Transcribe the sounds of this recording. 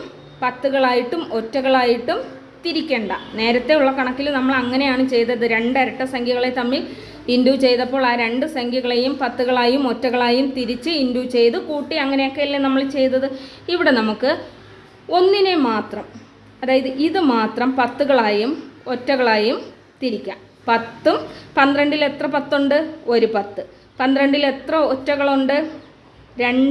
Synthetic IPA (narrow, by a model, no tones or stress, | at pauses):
pɐt̪ːuɣɐɭaːjiʈːumo̞tːɐɣɐɭaːjiʈːum | t̪iɾikʲːe̞ːɳɖɐne̞ːɾɐt̪ːe̞uɭːɐkɐɳɐkːilumnɐmːɐɭɐŋːɐne̞jaːɳɨt͡ɕe̞jt̪ːɐðɨɾe̞ɳɖɐɾɐʈːɨsɐŋɡʱiɣɐɭet̪ɐmːil | induːt͡ɕe̞jt̪ɐpːo̞ːɭaːɾe̞ɳɖɨsɐŋɡʱiɣɐɭejumpɐt̪ːuɣɐɭaːjumo̞tːɐɣɐɭaːjumt̪iɾit͡ɕːɨinduːt͡ɕe̞jt̪ɨkuːʈːiɐŋːɐne̞jo̞kːe̞ilːɐnɐmːɐɭt͡ɕe̞jt̪ːɐðɨiʋiɽe̞nɐmukːɨ | o̞nːinemaːt̪rɐm | ɐðaːjɐðɨʔiðɨmaːt̪rɐmpɐt̪ːuɣɐɭaːjumo̞tːɐɣɐɭaːjum | t̪iɾikʲːaːm | pɐt̪ːumpɐnd̪ɾɐɳɖile̞t̪rɐpɐt̪ːoɳɖɨo̞ɾupɐt̪ːɨ | pɐnd̪ɾɐɳɖile̞t̪rɐotːɐɣɐɭoɳɖɨ | ɾe̞ɳɖ